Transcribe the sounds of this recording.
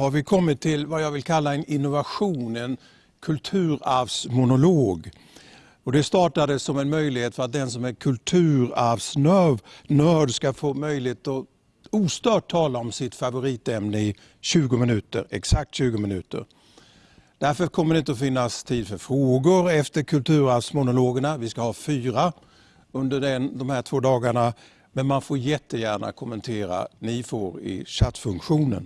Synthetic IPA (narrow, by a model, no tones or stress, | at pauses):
haɾvɪkʰɔmːɪt̪ʰːɪlvajɑːɡvɪlkʰalːaɛnɪnːʊvaɧuːnɛn | kʰɵlt̪ʰʉ̟ːɾavsmʊnʊloːɡ | ɔd̪ɛst̪ɑːʈad̪əsɔmɛnmœjlɪheːt̪fœɾat̪̚d̪ɛnsɔmæɾkʰɵlt̪ʰʉ̟ːɾavsnœvnœːɖskafoːmœjlɪheːt̪ɔ | uːst̪œːʈ̚ʰːɑːlaɔmsɪt̪favʊɾiːt̪ɛmnəɪ | ɕʉ̟ːɡʊmɪnʉ̟ːt̪ə̰ɾɛ̰ksak̚t̪ɕʉ̟ːɡʊmɪnʉ̟ːt̪ə̰ɾ | d̪̥æɾfəkʰɔmːəɖɛɪnt̪əɔfɪnːast̪ʰiːd̪fœɾfɾoːɡʊɾɛft̪əɾkʰɵlt̪ʰʉ̟ːɾasmʊnʊloːɡəɳavɪskahɑːfyːɾa | ɵnd̪əɖɛnd̪ɔmhæːʈʰvoːd̪ɑːɡaɳa | mɛnmanfoːɾjɛt̪ʰːəjæːɳa̰kʰʊmːənt̪ʰeːɾa̰nɪfoːɾɪ̰ɕat̪fɵŋkɧuːnə̰n